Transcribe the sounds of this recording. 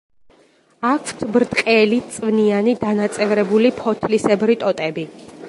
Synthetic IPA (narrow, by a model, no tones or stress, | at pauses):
akʰw̥t̪ʰbɾt̪ʼqʼɛlit̪sʼvnianid̪anat̪sʼɛvɾɛbulipʰɔt̪ʰlisɛbɾit̪ʼɔt̪ʼɛbi